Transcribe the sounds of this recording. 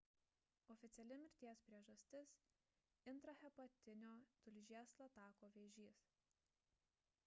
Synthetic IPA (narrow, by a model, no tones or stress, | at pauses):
ɔːfʲɪt̪sʲɛlʲɪmʲɪɾʲt̪ʲiɛspʲɾʲiɛʒɐsʲt̪ʲɪs | ɪnt̪ɾɐxʲɛpɐt̪ʲɪnʲoːt̪ʊlʲʒʲiɛslˠɐt̪ɑːkoːʋʲeːʒʲiːs